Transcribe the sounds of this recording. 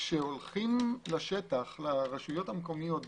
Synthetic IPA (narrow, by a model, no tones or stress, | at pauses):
ʃeolχimlaʃetaχlaʁeʃujo̞thamko̞mijo̞t